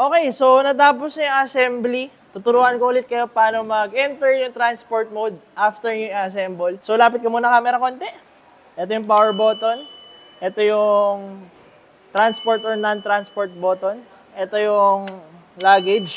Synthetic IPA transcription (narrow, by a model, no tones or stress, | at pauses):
ʔo̞ːkɛjso̞wnɐt̪aːp̬osnɐjʊŋɐsɛmbli | t̪ʊt̪ʊɾuːʔɐnkoʔuːlɪt̪̚kɐjo̞paːnomɐɡʔɛnt̪ɛɹjʊŋt̪ɾanspoɹt̪̚mod̪̚ʔaft̪ɛɹɲʊŋiɐs̬ɛmbolsolaːpɐt̪̚kɐmuːnɐkaːmɛɾɐko̞nt̪ɛ | ʔɛt̪ojʊŋpawɛɹbo̞ːt̪on | ʔɛt̪ojʊŋ | t̪ɾanspoɹt̪oɹnɐnt̪ɾanspoɹt̪̚boːt̪on | ʔɛt̪ojʊŋ | laːɡɛd͡ʒ